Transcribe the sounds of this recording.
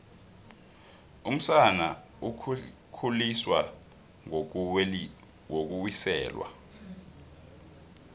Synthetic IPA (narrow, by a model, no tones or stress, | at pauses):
um̩sana | u | kʰuliswa | ŋ | ok̬uwisɛ̰ːlwa̰